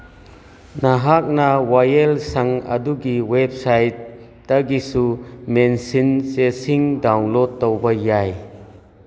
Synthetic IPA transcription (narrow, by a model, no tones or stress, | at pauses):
naɦak̚nawajelsaŋɐ̰duɡiwebsajtː | aɡisumensinsesiŋdawnlɔd̚ːɔwbajaj